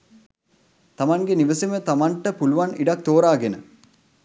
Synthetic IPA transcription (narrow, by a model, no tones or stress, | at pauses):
t̪ɐmɐŋɡeniʋəsimət̪amɐɳʈəpuluʋɐniɖɐk̚t̪oːɾaːɡenə